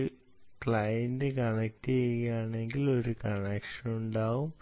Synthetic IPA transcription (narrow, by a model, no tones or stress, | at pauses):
kɭɐjɐndɨkɐɳek̚tːejɣɐjaːɳe̞ŋɡilo̞ɾukɐɳekʂɐnuɳɖaːʋum